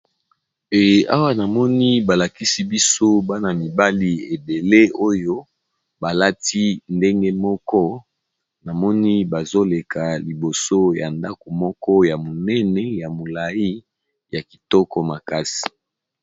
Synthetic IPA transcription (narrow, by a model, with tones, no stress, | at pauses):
e˨ʔa˦wa˦na˨mɔ˦ni˦ba˨la˨ki˦si˦bi˦so˦ba˦na˨mi˨ba˦li˦e˨be˨le˦o˦jo˦ | ba˨la˦ti˦nde˦ŋɡe˦mɔ˦kɔ˦ | na˨mɔ˦ni˦ba˨zo˦le˨kʰa˨li˨bo˨so˦ja˨nda˦ko˨mɔ˦kɔ˦ja˨mo˨nɛ˦nɛ˨ja˨mo˨la˨ji˦ | ja˨ki̥˨tɔ˦kɔ˦ma˨ka˦si̥˨